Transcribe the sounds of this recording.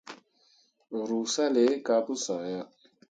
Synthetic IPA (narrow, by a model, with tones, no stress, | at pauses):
ɾu˨sa˦le˨˦ka˨˦pu˦sa˨ja˦